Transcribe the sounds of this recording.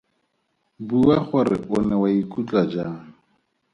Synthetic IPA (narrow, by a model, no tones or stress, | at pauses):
buwaχʊrɪ̰ʔʊnɛwaikʼut͡ɬad͡ʒaŋ̩